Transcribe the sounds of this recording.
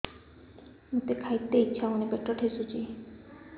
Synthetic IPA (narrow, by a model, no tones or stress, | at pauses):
mut̪ekʰajt̪ːejt͡ʃʰaonebeʈɾɔʈʰesut͡ʃi